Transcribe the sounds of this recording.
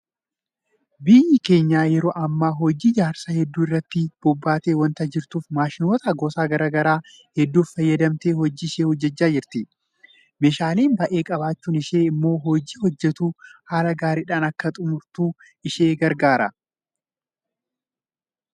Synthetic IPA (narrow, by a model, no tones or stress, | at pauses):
bɪjːɪke̞ːɲːaːjɛɾoːʔɐmːaːɦɔd͡ʒːiːd͡ʒaːɾsɐhɛd̪ːuːɪrːɐt̪ːɪb̥ɔbːaːt̪eːwɐnt̪ɐd͡ʒɪɾt̪uːfmaːʃɪnoːt̪ɐɡɔsaːɡɐɾaɡɐɾaː | hɛd̪ːuːffɐjːɐd̪ɐmt̪eːhɔd͡ʒːɪːʃeːhɔd͡ʒːɛt͡ʃːaːd͡ʒɪɾt̪ɪ | meːʃaːliːnbɐʔe̞ːkʼɐbaːt͡ʃːuːnɪʃeːɪmːo̞ːɦɔd͡ʒiːhɔd͡ʒːɛt̪uːhaːlɐɡaːɾiᶑaːnɐkːɐt̪ʼʊmʊɾt̪uː | ɪʃeːɡɐɾɡaːɾɐ̰